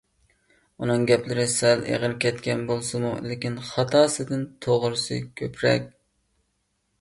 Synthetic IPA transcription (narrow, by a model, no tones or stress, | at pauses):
unɨŋɡʲɛplɪɾɪsɛlḛʁəɾkʲʰɛt̪kʲʰɛnbolˠsɨmṵlɪkʲinχɑt̪ʰɑːsɨd̪ɨnt̪ʰoʁʊɾsɨ̰kʲʰøpʰɾɛ̰kʲ